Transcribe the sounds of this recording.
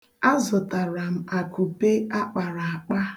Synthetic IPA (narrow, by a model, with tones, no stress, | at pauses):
a˦zʊ˨ta˨ɾa˨m̩˨a˨ku˨pe˦a˦k͡pa˨ɾa˨a˨k͡pa˦